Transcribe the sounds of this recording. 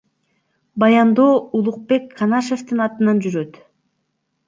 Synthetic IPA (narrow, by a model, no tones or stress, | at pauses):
bɑjɑnd̪o̞ːulˠuq̚pe̞kkːɑnɑʃe̞ft̪ɯnɑt̪ɯnɑnd͡ʒyɾø̞t̪